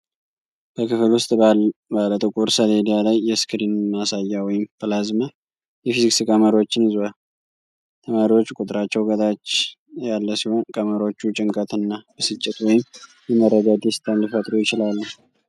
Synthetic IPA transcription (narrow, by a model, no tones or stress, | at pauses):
b̥əkʰɨfɨlwʊst̪ʼbalət̪ʼɨkʼuɾsəled̪ijalajːɛskʰɾinmːasajːawɔjɪmfʰɨlazmə | jɛfiziksɨkʼəməɾo̞t͡ʃːɪnɨzwa | t̪ʰəmaɾiwo̞t͡ʃːukʼut̪ʼɨɾat͡ʃːɛwɡət̪ʼat͡ʃː | jalːəsiho̞nkʼəməɾo̞t͡ʃːut͡ʃʼɪŋkʼət̪ʰɨnːabəsɨt͡ʃʼːɪt̪wɔjɪm | jɛməɾːəd̪ad̪est̪ʰanlifət̪ʼɾojɪt͡ʃɪlalːə